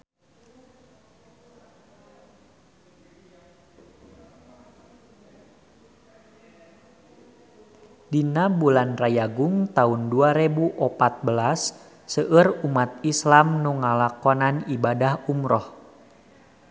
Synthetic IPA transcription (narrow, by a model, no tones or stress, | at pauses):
dinabulanrajaɡʊŋt̪aunduaɾebuʔɔpat̪̚bəlasː | əʔərumat̪̚islamnuŋalakɔnanibadahumɾɔh